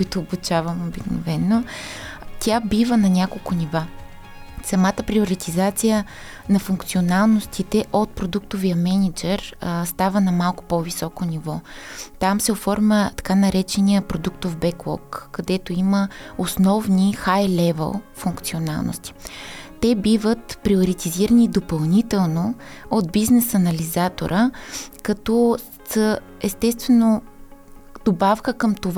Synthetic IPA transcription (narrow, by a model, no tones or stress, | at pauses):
kʊit̪ʊːbut͡ʃavəmobikno̰vɛnːo | t̪ʲabivənɐnʲakolˠkoniva | sɐmat̪əpɾioɾit̪izat̪sijə | nɐfuŋkt̪sionalˠnost̪it̪ɛʔot̪̚pɾod̪ukt̪ovijəmɛnid͡ʒɛɾst̪avənɐmalˠko̥povisɔkonivɔt̪amsɛofɔɾmʲət̪ɐ̥kanɐɾɛt͡ʃɛnijəpɾod̪ukt̪ovbɛklˠɔ̰kːɐd̪ɛt̪oiməosnɔvnixajlɛvɛ̰lˠfuŋkt̪sʲiona̰lˠno̰st̪i̥t̪ɛbivət̪pɾioɾit̪iziɾənid̪opɐlˠnit̪ɛlˠnood̪̚biznɛsɐnɐlizat̪o̰ɾʔəkɐt̪ɔ | sə | ɛst̪ɛst̪vɛno | d̪̥obafkəkəmt̪ov